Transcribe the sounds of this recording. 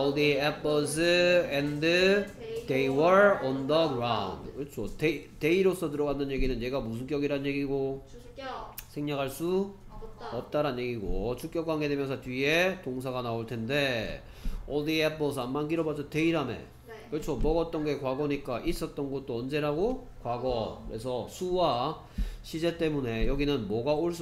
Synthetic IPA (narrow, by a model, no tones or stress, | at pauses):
ɔdiepʰʌs̬ʰɯendɯ | dejwʌɾɔndʌɡɾaw̰ndkɯʌt͡ɕʰotete̞iɾosʰʌt̬ɯɾʌɡanːɯnje̞ɡinɯnje̞ɡamus̬ʰɯnk͈jʌɡiɾanɯnɲje̞ɡiɡo | sʰeŋɲakɦaɭs͈u | ʌp̚t͈aɾɦannje̞ɡiɡo̰t͡ɕʰuk͈jʌkwaŋɡe̞dwemjʌns̬ʰʌtɥie̞toŋs̬ʰaɡanaoɭtʰe̞nde̞ | ʌdiapʌs̬ʰʌanmankiɾʌbad͡ʑʰʌte̞iɾamḛ | kɯɾʌt͡ɕʰomʌɡʌt̚t͈ʌnɡʌekwaɡʌɲik͈aʔis͈ʌt̚t͈ʌnɡʌt̚t͈oʌnd͡ʑe̞ɾaɡo | kwaɡʌkɯɾe̞sʰʌsʰuwa | ɕʰid͡ʑe̞t͈e̞mune̞jʌɡinɯnmʌɡaoɭs͈